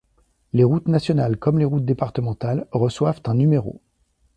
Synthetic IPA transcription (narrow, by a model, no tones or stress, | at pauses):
leʁut̪nasjɔnalkɔmleʁut̪̚d̪epaʁt̪əmɑ̃t̪alʁəswavt̪ɛ̃nymeʁo̰